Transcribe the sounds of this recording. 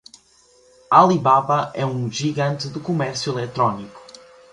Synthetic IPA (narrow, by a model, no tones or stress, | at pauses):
alˠiβaβɐʔɛũʒiɣɐ̃nt̪ɨðukumɛɾsjuilˠɛt̪ɾɔniku̥